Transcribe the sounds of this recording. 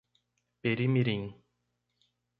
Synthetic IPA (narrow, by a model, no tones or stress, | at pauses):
peɾimiɾiŋ